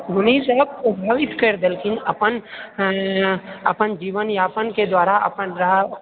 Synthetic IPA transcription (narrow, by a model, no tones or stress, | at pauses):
ʊnisəb̚pɾɐbʱaːʋɪt̪kɐɾd̪elkɪnɐpən | ɐ̰pənd͡ʒiːʋənjaːpənked̪waːɾaɐ̰pənɾɐɦ